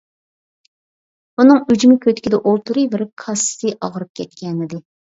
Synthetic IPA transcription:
unɨŋyd͡ʒymɪkʲʰøt̪kʲid̪ɛʔolˠt̪uɾɨbɪɾ̚kʰɑsɨ̥t̪ʰɨʔɑʁəɾɨp̚kʲʰɛt̪kʲɛnɪd̪ɪ

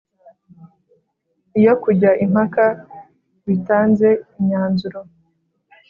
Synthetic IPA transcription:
ijo̞kuɟaʔim̥haka | βitaːnze̞iɲaːnzuɾo

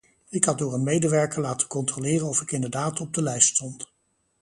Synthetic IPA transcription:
ɪkɦɑt̚dʊːɹənmejdəʋɛɹkəlaːtənkɔntrolɪːrənɔfɪkɪndəɹdaːtɔb̚dəlɛjststɔnt

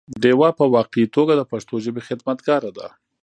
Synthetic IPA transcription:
ɖewɑpəwɑqeit̪oɡad̪əpaʂt̪oʒəbexɪd̪mat̪ɡɑɾad̪a̰

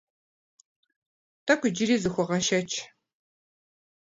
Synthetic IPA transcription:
tʰɐkʷʰʼʊd͡ʒɪɾiːzɨxʷɔʁɐʃɐt͡ʃʰ

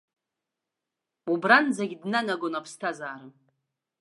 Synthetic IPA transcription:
ubrand͡zaɡʲidnanaɡonapʰstʰazaːɾɨm

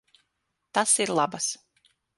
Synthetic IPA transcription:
t̪asiɾlˠabas

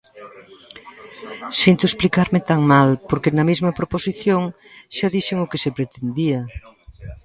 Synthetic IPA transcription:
sint̪ʊesplikaɾmɪt̪aŋmalpoɾkenɐmezmɐpɾoposiθjoŋ | ʃaðiʃɪŋʊkesepɾet̪end̪iɐ

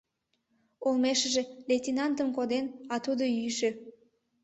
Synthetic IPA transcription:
olmeʃəʒeletʲinɑnt̪əmkod̪enɑt̪ud̪oyʃe

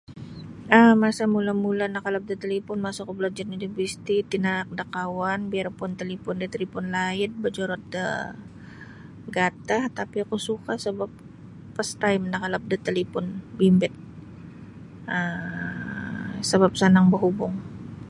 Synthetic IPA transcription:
əmasamulamulanakalap̚dət̪əlipʊnmasakublad͡ʒarnidibist̪it̪inaak̚dakawanbiarpʊnt̪əlipʊndət̪əlipʊnlaɪt̪̚bəd͡ʒɔɾɔt̪̚də̰ | ɡat̪aht̪apiakusukasəbap̚ | past̪ajmnakalap̚dət̪əlipʊnbimbɪt̪̚ | ə | səbap̚sanaŋbəɦubʊŋ

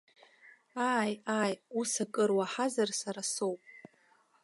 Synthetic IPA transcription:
ajajusakʼɨrwaħazarsaɾasowpʼ

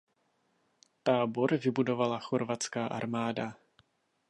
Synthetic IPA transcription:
t̪aːbo̞ɾvɪbudo̞valaxoɾvat͡skaːʔa̰ɾmaːda

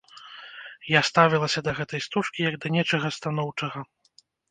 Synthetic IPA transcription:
jast̪avʲilˠɐsʲɐd̪ɐɣɛt̪ɐjst̪uʂkʲijɐɡd̪ɐnʲɛt͡ʂɐɣɐst̪an̪ɔwt͡ʂɐɣɐ

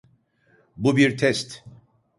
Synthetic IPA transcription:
bubiɾt̪ʰɛst̪

